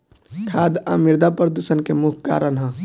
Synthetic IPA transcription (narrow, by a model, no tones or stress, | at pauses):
kʰaːd̪a̰miɾd̪apɾɾəd̪usənkemukʰka̰ːɾənɦə̃